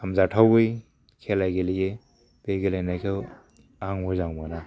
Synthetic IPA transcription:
amzatʰawɯj | kʰelajɡelije | b̥eɡelajnajkʰew | aŋmozaŋmana

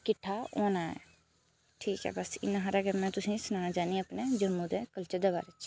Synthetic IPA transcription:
kɪʈʰːaoːnaːɛ̰ː | ʈʰiːkɦɛ̰ːbəsɪ̰naɦəɾaːkemɛ̃ːt̪ʊsĩːsʊnãːnãd͡ʒaːniəpned͡ʒəmːũd̪eːkəlt͡ʃəd̪eba̰ːɾet͡ʃʰ

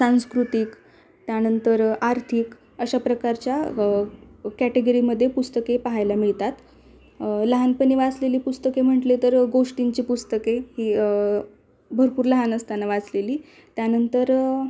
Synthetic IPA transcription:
sãñskɾut̪ik | t̪janənt̪əɾaɾt̪ʰiːk | əɕapɾəkaɾt͡ɕja | kæʈeɡəɾiməd̪ʱːjepust̪əkepaɦajlamiɭt̪at̪ | ləɦanpənːiʋat͡sleliːpust̪əkem̤əʈlet̪əɾɡoʂʈiɲt͡ɕiːpust̪əkehiː | bʱəɾpuːɾləɦanəst̪anaʋat͡sleliː | t̪janənt̪əɾ

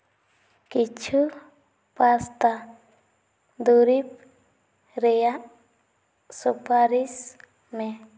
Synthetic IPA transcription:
kit͡ʃʰu | past̪a | d̪uɾip̚ | ɾejaʔ | supaɾis | me

